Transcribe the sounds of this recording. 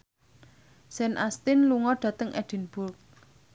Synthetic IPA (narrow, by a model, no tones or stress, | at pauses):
sɛnʔast̪ɪnluŋɔɖ̥ä̤t̪əŋʔɛ̰d̥i̤nb̥ʊrk̚